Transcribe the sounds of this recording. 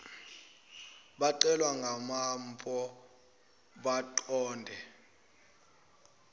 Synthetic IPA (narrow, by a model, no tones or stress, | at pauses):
ɓaǃɛlwaŋɡʱamampʼɔ | ɓatʼɔːndʱɛ